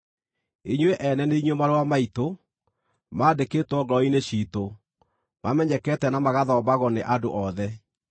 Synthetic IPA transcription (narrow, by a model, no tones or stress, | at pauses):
eɲweʔɛnɛneiɲwemaɾowamaito | maːdeketwɔɡɔineɕiːto | mamɛɲɛkɛtɛnamaɣaðɔːbaɣɔneʔado̰ʔɔðɛ